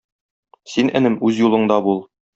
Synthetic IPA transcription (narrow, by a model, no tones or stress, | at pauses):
sinʔæ̰̆nɘmʉzjulˠɤ̆ɴd̪ɑbulˠ